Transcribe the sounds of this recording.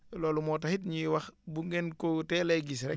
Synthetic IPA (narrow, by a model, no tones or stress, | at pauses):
loːlumɔtahitɲiwɐxbuŋɡenkotɛleɡis̬ɾɛ